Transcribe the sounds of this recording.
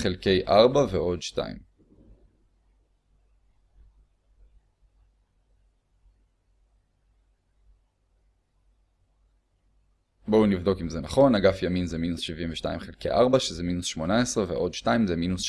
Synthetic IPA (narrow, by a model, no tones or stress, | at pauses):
χelke̞jʔaʁbaveo̞dʃta̰ḭm | bo̞wnivdo̞kimzenaχo̞naɡafjaminzeminusʃivimveʃta̰jimχelkḛjʔaʁbaʃezeminusʃmo̞nae̞sʁevḛʔo̞dʃtaimzeminusʃ